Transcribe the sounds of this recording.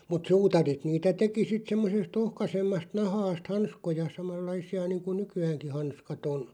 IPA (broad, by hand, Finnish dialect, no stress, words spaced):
mut suːtɑrit niːtæ teki sit semːosest ohkɑsemːɑst nɑhɑːst hɑnskojɑ sɑmɑlːɑisiɑ niːŋku nykyæːŋki hɑnskɑt on